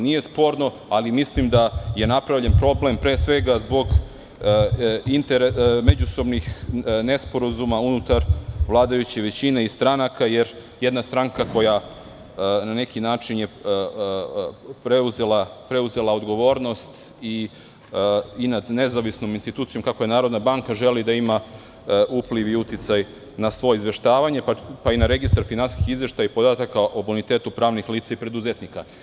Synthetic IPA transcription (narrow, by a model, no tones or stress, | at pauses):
nije̞spo̞ɾno̞ | alimislimd̪aje̞napɾaʋʎe̞npɾo̞blempɾe̞ːsʋe̞ɡazbo̞ɡ | int̪eɾeme̞d͡ʑuso̞bnixne̞spo̞ɾazumaunut̪aɾʋlˠaːd̪ajut͡ɕeʋe̞t͡ɕine̞ist̪ɾanakaje̞ɾjed̪nast̪ɾaŋkako̞ja | nane̞kinaːt͡ʂinje | pɾe̞uze̞lapɾe̞uze̞lˠao̞d̪ɡo̞ʋo̞ːɾno̞st̪i | inad̪ne̞zaʋisnominst̪it̪uːt̪sijo̞mkakoje̞naːɾo̞d̪nabaŋkaʒe̞lid̪aima | ʔupliʋiut̪it̪saj | nasʋo̞jizʋe̞ʃt̪aːʋaɲe̞papainaɾe̞ɡist̪aɾfinanskixizʋe̞ʃt̪ajaipo̞d̪aːt̪akaʔo̞bunit̪e̞ːt̪upɾaːʋnixliːt̪saipɾe̞d̪uze̞t̪nika